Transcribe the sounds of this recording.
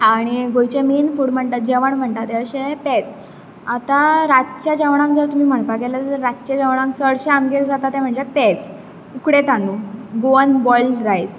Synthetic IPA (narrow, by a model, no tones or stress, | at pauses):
ɦaɽ̃iɡojt͡ɕemiːnfuɽm̤əɳʈ̪at̪̚d͡ʑeʋəɳm̤əɳʈ̪at̪eəɕepet͡s | at̪aɾatt͡ɕjad͡ʑəʋɳ̃ãŋk̚d͡zəɾt̪um̤iːm̤əɳpaɡelat̪əɾɾat̪t͡ɕad͡ʑəʋɳ̃ãŋk̚t͡səɽɕẽamɡeɾd͡zat̪at̪em̤əɳd͡ʑepet͡s | ukɽet̪anuɡoənbɔjlɾajs